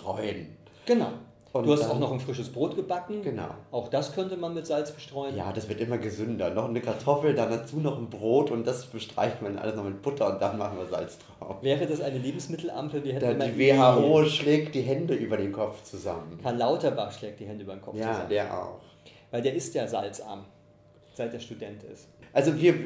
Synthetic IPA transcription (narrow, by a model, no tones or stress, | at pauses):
tʁ̥ɔʏən | ɡ̥ənaʊ | ʔʊnduːhastaʊxnɔχnfʁ̥ɪʃəsb̥ʁoːtɡ̥əbakŋ̩ɡ̥əna̰ʊʔaʊxd̥askʰœntəmanmɪtz̥alt͡sb̥əʃtʁ̥ɔʏənja̰ːdasv̥ɪɐtʔɪmɐɡəzʏndɐnɔχnəkʰaɐtʰɔfl̩danat͡suːnɔχn̩bʁoːtʊnt̚d̥asb̥əʃtʁ̥a̰ɪçtmannʔa̰ləsnɔχmɪt̚b̥ʊtʰɐʊntd̥anmaχn̩viːɐza̰lt͡stʁ̥aʊmvɛːʁədasʔaɪnəleːbm̩smɪtʰl̩ʔa̰mpl̩viːɐhɛtdmdaiːveːɦaːoːʃlɛːk̚t̚d̥iːɦɛndəʔyːbɐɾeːnkʰɔpp͡ft͡suza̰mənfʰanlaʊtɐbaχʃlɛːk̚t̚d̥iːhɛndəʔybɐdenkɔjaːdeːɐʔa̰ʊx | vaɪldeːɐɪstjaːza̰lt͡sʔa̰ːɐm | z̥aɪt̚d̥eːɐʃtudɛntɪ̰stʔalzoviːɐ